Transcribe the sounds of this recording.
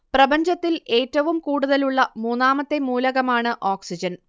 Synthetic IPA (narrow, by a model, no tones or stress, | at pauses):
prɐbɐɲd͡ʑɐt̪ːile̞ːtːɐʋumkuːɽuðɐluɭːɐmuːnːaːmɐt̪ːe̞muːlɐɣɐmaːɳɨʔoːksid͡ʑɐn